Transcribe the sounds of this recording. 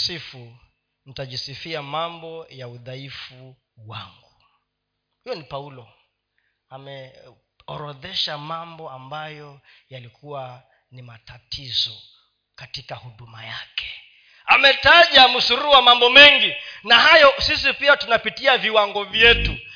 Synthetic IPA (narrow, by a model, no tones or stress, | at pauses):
sifu | n̩taʄisifiamambɔjauðaifu | wa̰ŋɡu | hijɔnipaulɔ | amɛ | ɔɾɔðɛʃamambɔambajɔjalikuwa | nimatatizɔ | katikahuɗuma̰jakɛ̥ | amɛtaʄamusuɾuwamambɔmɛŋɡinaɦajɔsisipiatunapitiaviwaŋɡɔvjɛtu